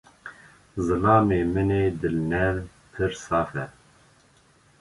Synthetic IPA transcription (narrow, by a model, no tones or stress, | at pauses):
zɨlɑːmeːmɨneːd̪ɨlnɛv | pʰɨɾsɑːfɛ